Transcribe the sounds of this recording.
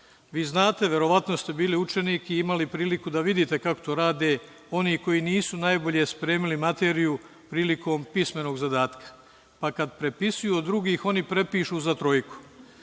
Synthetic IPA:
ʋiːznaːt̪e̞ʋje̞ɾo̞ʋat̪no̞st̪e̞biːliut͡ʃe̞niːkiimalipɾiːlikud̪aʋid̪it̪e̞kako̥t̪oːɾaːd̪e̞ː | o̞niːko̞jiːniːsunajbo̞ʎe̞spɾeːmilimat̪e̞ːɾiju | pɾiːlikʰo̞ːmpisme̞no̞ːɡzad̪aːt̪kḁ | pakad̪pɾe̞pisujuod̪ːɾuɡiːxo̞nipɾe̞piːʃuːzat̪ɾo̞jku̥

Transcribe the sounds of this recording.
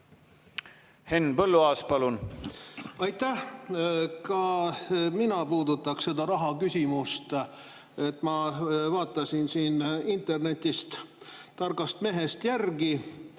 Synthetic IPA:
henːpɤlːuɑːspɑlun | ɑjt̪ːæh | kɑ | minɑpuːd̪ut̪ːˑɑkse̞d̪̥ɑɾɑɦɑkysʲimust̪ | e̞t̪ːˑmɑvɑːt̪ːˑɑsinsiːnint̪e̞rne̞t̪ʲːist̪t̪ːɑrɡɑst̪me̞ɦe̞st̪jærɡi

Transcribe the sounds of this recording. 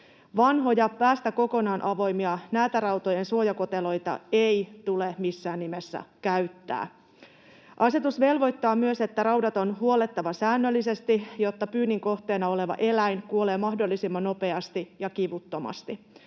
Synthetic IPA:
ʋɑnɦo̞jɑpæːst̪æko̞ko̞nɑːnʔɑʋo̞jmiɑnæːt̪æɾɑwt̪o̞jensuojɑko̞t̪elo̞jt̪ɑ̰ejt̪ulemisːæːnːimesːæ̰kæɥt̪ːæ̰ː | ʔɑse̞t̪usʋe̞lʋo̞jt̪ːɑːmyøse̞t̪ːærɑwdɑt̪o̞nɦuole̞t̪ːɑʋɑsæːnːølːise̞st̪ijo̞t̪ːɑpyːnːiŋko̞ht̪eːnɑo̞le̞ʋɑ̰ʔe̞læjnkuole̞ːmɑhdo̞lːisimːɑnnope̞ɑst̪ijɑkiʋut̪ːo̞mɑ̰st̪i

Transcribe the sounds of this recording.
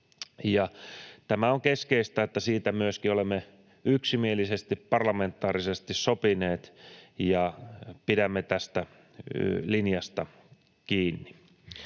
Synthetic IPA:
jɑt̪æmæoŋkeskeist̪æet̪ːæsiːt̪æmyøskiolemːe | yksimielisest̪ippɑrlɑment̪ːˑɑːrisest̪issopineːt̪jɑpidæmːet̪æst̪æ | linjɑst̪ɑ | kiːnːi

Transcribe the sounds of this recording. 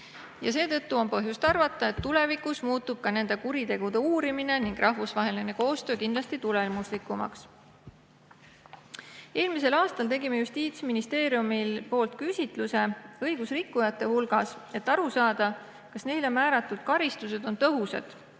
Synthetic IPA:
jɑse̞ːt̪ɤ̞t̪ːuo̞npɤɦjust̪ɑrvɑt̪ːˑɑe̞t̪ːule̞vikˑusmuːt̪ːˑub̥̚kɑne̞nd̪̥e̞kuɾit̪e̞ɡ̥ud̪̥e̞uːɾimine̞niŋɡ̥rʔɑɦvusvɑɦe̞line̞ko̞ːst̪øːkind̪lɑst̪it̪ule̞muslikːumɑ̰ks | e̞ːlmise̞lɑːst̪ɑlt̪e̞ɡime̞just̪iːt̪sminist̪e̞ːɾiumilpo̞ːlt̪̚kysʲit̪ˑluse̞ɤjɡ̥usrikːujɑt̪ˑːe̞hulɡ̥ɑse̞t̪ːˑɑɾusɑːd̪̥ɑ | kɑsne̞jlo̞mæːɾɑt̪ːˑud̪̥̚kɑɾist̪use̞d̪̥o̞nt̪ɤɦusḛd̪̥

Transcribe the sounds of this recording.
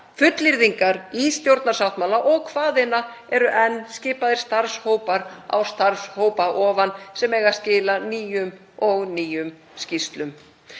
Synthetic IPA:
fʏt̪lɪɾðiŋkaɾist̪jowɾt̪naɾ̥sawt̪mawlaʔɔɣkʰvaːðɪna | ɛɾʏʔɛnːscɪːpaðɪɾ̥st̪aɾshoːwpaɾa̰wst̪aɾshoːwpaʔɔːvansɛmɛːjɣḁscɪːlaniːjʏm | ɔɣniːjʏm | scist̪lʏm

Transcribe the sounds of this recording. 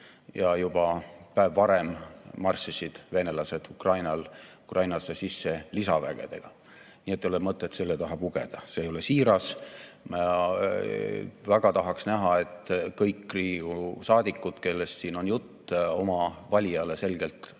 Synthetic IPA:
jɑjub̥ɑpæevːɑɾe̞mːɑrsisid̪̥ve̞nelɑse̞d̪̥ukrɑjnɑlukrɑjnɑsesisːe̞lisɑvæɡ̥e̞̰d̪̥e̞̰ɡ̥ɑ | niːet̪ːˑeolemɤt̪ːˑet̪se̞lːet̪ɑɦɑb̥uɡ̥ḛd̪̥ɑse̞ːjo̞le̞siːɾɑsmɑ | væɡ̥ɑt̪ɑɦɑksnæɦɑe̞t̪ːkɤjkːriːusɑːd̪̥ʲikːˑud̪̥ke̞lːe̞st̪siːno̞njut̪ːo̞mɑvɑlʲiɑle̞se̞lɡ̥e̞lt̪

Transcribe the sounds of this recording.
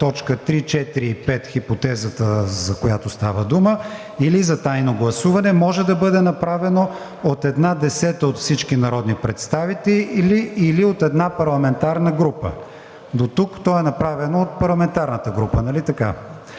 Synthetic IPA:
t̪ɔt͡ʃkət̪ɾit͡ʃɛt̪iɾiːpɛt̪xipot̪ɛzət̪əzɐkojat̪ost̪avəd̪umə | ilizɐt̪ajnoɡlˠɐsuvɐnɛmɔʒɛd̪ɐbɤd̪ɛnɐpɾavɛno | ot̪ɛd̪nad̪ɛsɛt̪əot̪fsit͡ʃkinɐɾɔd̪nipɾɛt̪st̪avit̪ɛliʔliːliot̪ɛd̪napɐɾlˠɐmɛnt̪aɾnəɡɾupə̰ | d̪ot̪ukt̪ɔɛnɐpɾavɛnoot̪̚pɐɾlˠɐmɛnt̪aɾnət̪əɡɾupənɐlit̪ɐka

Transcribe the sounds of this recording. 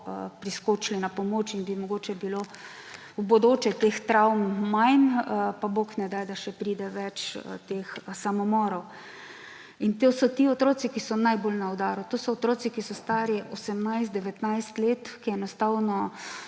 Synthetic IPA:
pɾiskot͡ʃlinapɔmoːt͡ʃinbimɔɡoːt͡ʃɛbilo | ubod̪oːt͡ʃɛt̪ext̪ɾawmːajnpaboːknɛd̪ajd̪aʃɛpɾiːd̪ɛʋɛt͡ʃt̪exsamɔmɔːɾɔw | int̪osɔt̪iɔt̪ɾoːsikisɔnajbolnaɔd̪aːɾut̪oːsɔɔt̪ɾoːt͡ssikisɔst̪aːɾjɛʔɔsɛmnajst̪d̪ɛʋɛt̪najst̪leːt̪kiɛnɔst̪awnɔ

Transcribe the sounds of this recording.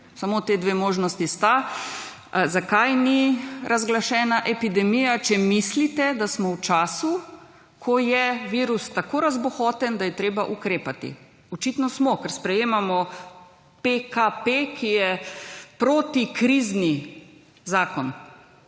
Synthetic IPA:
samot̪eːd̪ʋeːmoːʒnɔst̪ist̪a | zakajniɾʔazɡlaʃɛːnaʔɛpid̪ɛmijat͡ʃɛmislit̪ɛd̪asmɔwt͡ʃaːsu | kʰɔjɛʋiːɾust̪akoɾazbɔxɔːt̪ɛnd̪ajɛt̪ɾeːbaʔukɾeːpat̪ḭ | ɔt͡ʃit̪nɔsmɔkɛɾspɾɛjeːmamɔ | pekapekʰijɛpɾoːt̪ikɾizni | zaːkɔn

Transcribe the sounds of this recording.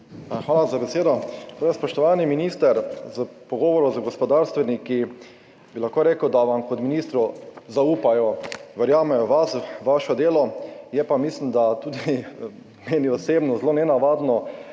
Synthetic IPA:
xʋaːlazabɛseːd̪ɔt̪ojɛspɔʃt̪ɔʋaniminist̪əɾzəpɔɡɔːʋɔɾɔzəɡɔspɔd̪aɾst̪ʋɛniki | bilaxkoːɾeːkəwd̪aʋamkɔt̪minist̪ɾuzauːpajɔʋɛɾjaːmɛjɔʋasʋaʃɔd̪eːlɔjɛpamislimd̪at̪uːd̪i | meːniɔseːbnɔzlonɛnaʋad̪nɔ

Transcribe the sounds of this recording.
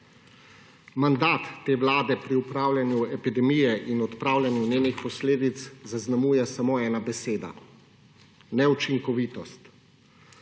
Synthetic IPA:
mand̪aːt̪ːeːʋlaːd̪ɛpɾiupɾaːwlʲjanjuɛpid̪ɛmijɛʔinɔt̪pɾaːwlʲjanjuneːnixpɔsleːd̪it̪szaznamuːjɛsamoːɛːnabɛseːd̪a̰ | nɛut͡ʃiŋkɔʋiːt̪ɔst̪

